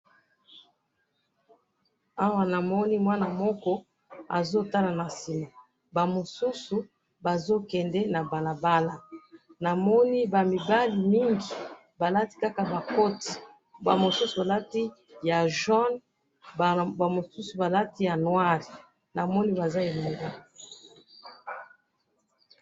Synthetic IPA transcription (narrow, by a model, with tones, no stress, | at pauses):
a˦wa˦na˨mɔ˦ni˦mwa˦na˨mɔ˦kɔ˦ | a̰˨zo˦ta˦la˨na˨si˨ma˨ | ba˨mo˨su˦su˨ | ba˨zo˦kɛ˨ndɛ˦na˨ba˨la˨ba˦la˦na˨mɔ˦ni˦ba˨mi˨ba˦li˨mi˦ŋɡi˨ | ba˨la˦ti̥˦ka˦ka˨ba˨ko˦ti̥˨ | ba˨mo˨su˦su˨ba˨la˦ti˦ja˨ʒɔ˦n | bba˨mo˨su˦su˨ba˨la˦ti˦ja˨nwa˦ʁi˨ | na˨mɔ˦ni˦ba˨za˦e˨lo˨ŋɡa˦˨